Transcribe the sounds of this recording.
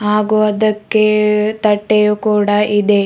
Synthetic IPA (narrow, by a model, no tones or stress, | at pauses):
ɦaːɡuɐd̪ɐkːet̪ɐʈːejukuːɽɐʔid̪e